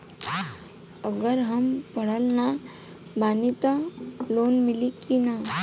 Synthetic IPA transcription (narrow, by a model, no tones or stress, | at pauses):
əɡəɾɦəmpəɽəlna | bʱanit̪alonmilikina